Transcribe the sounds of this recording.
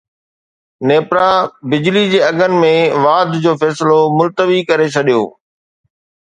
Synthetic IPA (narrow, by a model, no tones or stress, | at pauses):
neːpɾabɪd͡ʑlid͡ʑeːɐɡənɪ̆mẽʋaːd̪ʱd͡ʑoːfɛːsɪlomʊlt̪əʋikɐɾet͡ɕʰɐɗijo̰ː